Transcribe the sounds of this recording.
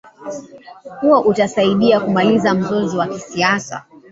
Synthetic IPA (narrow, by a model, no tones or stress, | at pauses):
huɔʔutasaiɗiakumalizam̩zɔzɔwakisiasa̰